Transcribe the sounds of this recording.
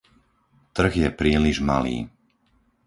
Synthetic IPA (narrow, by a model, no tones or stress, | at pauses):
t̪r̩ɣjɛpɾiːliʒma̰lḭː